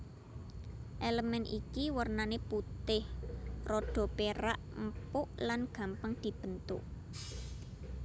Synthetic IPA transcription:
ʔeləmɛnʔikiwərnaneput̪ɪhrɔɖ̥ɔ̤peɾaʔm̩pʊʔlanɡ̥ä̤mpəŋd̪̥i̤b̥ə̤nt̪ʊ̰ʔ

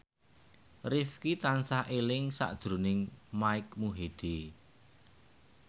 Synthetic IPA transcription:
rɪfkit̪ansahʔelɪŋsa̰ʔd̥ʒ̥ɾṳnɪŋmaɪk̚muɦed̪̥e

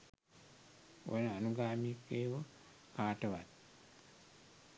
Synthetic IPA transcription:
wo̰nanuɡaːmikːeːwo | kaːtoβat

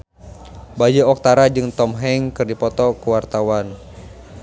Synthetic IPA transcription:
bad͡ʒəɔk̚t̪aɾad͡ʒɨŋt̪ɔmɦɛŋkɨrdipɔt̪ɔkəwart̪awan

